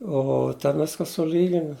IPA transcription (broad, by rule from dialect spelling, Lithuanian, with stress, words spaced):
ˈoː tʲɛn ˈʋʲɪskɐ sʊˈlʲiːɡʲɪnʊ